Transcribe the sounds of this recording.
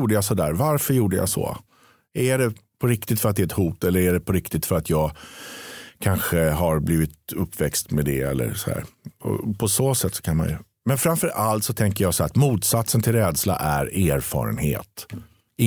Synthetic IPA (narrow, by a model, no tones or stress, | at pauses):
uːɖəjas̬ɔd̪æ̰ːɾvaɾfœɾjuːɖəja̰so̰ː | æɖɛpʰɔɾɪk̚t̪ɪt̪fœɾat̪d̪ɛɛt̪huːt̪ɛlːəɾæɖɛpʰɔɾɪkt̪ɪt̪fœɾat̪ʰjɑːɡ | kʰanɧəɦaɾbliːvɪt̪ɵpːvɛkst̪med̪ɛɛ̰lːə̰ɾsɔhæ̰ːɾɔ̰pʰɔsoːsɛt̪ːsɔ̥kʰanma̰nj̰ | mɛnfɾamfœɾʔalt̪sɔt̪ʰɛŋkəɾjaːsɔæːɾat̪muːt̪sat̪sənt̪ʰɪlɾɛːd̪sla̰ʔæɾæːɾfɑ̰ːɾə̰nhḛːt̪ | ɪ